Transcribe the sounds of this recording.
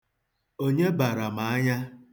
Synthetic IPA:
o˦ɲe˦ba˨ɾa˨ma˨a˦ɲa˦

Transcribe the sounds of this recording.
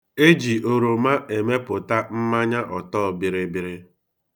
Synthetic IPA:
e˦d͡ʒi˨o˨ɾo˨ma˦ʔe˨me˦pʊ˨ta˦m̩˦ma˦ɲa˦ʔɔ˨tɔː˦˨bɪ˨ɾɪ˦bɪ˨ɾɪ˦

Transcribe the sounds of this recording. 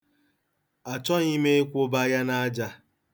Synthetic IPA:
a˨t͡ʃɔ˦ni˦me˦e˦kʷʊ˦ba˦ja˦na˦a˦d͡ʒa˦

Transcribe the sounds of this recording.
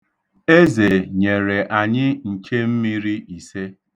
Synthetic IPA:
e˦ze˨ɲe˨ɾe˨ʔa˨ɲɪ˦ŋ̩˨kʰe˦m̩˦mi˦ɾi˦i˨se˦

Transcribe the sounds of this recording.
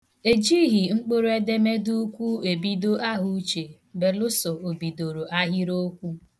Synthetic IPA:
e˨d͡ʒi˦ɦi˨ŋ͡m̩˦k͡po˦ɾo˦e˦de˦me˦du˦kʷu˦e˨bi˦do˦ʔa˦ɦu˦t͡ʃe˨ | be˨lʊ˦sɔ˨o˨bi˨do˨ɾo˨ʔa˦ɦi˦ɾo˦kʷu˦

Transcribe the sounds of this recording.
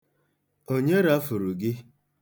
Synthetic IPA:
o˦ɲe˦ɾa˦fʊ˨ɾu˨ɡɪ˦

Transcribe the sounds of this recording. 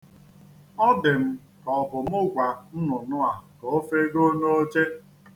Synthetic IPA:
ɔ˦dɪ˨m̩˦ | kɔ˨bʊ˨m̩˦ʊ˦ɡʷa˨n̩˦nʊ˨nʊ˦a˨ko˨o˦fe˦ɡo˦no˦o˦t͡ʃe˦

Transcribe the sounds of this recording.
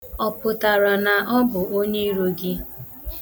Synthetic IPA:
ɔ˨pʊ˨ta˨ɾɔ˨na˨ʔɔ˦bʊ˨ʔo˦ɲe˦i˦ɾo˦ɡɪ˦

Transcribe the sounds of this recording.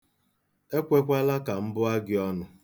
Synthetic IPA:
e˦kʷe˦kʷa˦la˦ka˨m̩˦bʊ˦a˦ɡɪ˦ɔ˦nʊ˦

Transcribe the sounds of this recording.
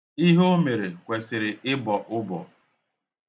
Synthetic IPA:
i˦ɦo˦me˨ɾe˨kʷe˨sɪ˨ɾɪ˨ʔɪ˦bɔ˨ʔʊ˦bɔ̰˨

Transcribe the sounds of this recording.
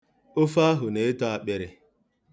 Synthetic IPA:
ʊ˦fa˦ɦʊ˨ne˨˦ta˦a˨k͡pe˨ɾɪ˨

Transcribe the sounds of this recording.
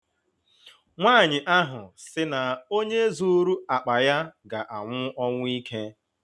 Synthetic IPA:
ŋʷaː˦˨ɲɪ˨ʔa˦ɦʊ˨sɪ˦na˨o˦ɲe˦zu˨˦ɾu˦a˨k͡pa˨ja˦ɡa˨ʔa˨ŋʷʊ˦ʔɔ˦ŋʷʊ˦i˦kʰe˦

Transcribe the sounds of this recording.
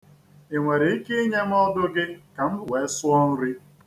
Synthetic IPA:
e˨ŋʷe˨ɾɪ˨i˦kɪ˦ɲe˦m̩˦ɔ˦dʊ˦ɡɪ˦ka˨m̩˦bʊ˦˨we˨˦sʊ˦ɔ˦n̩˦ɾi˦

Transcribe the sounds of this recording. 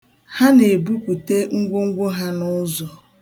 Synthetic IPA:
ha˦ne˨bu˦kʷu˨te˦ŋ̩˦ɡʷo˦ŋ̩˦ɡʷo˦ɦa˦nʊ˦zɔ˨

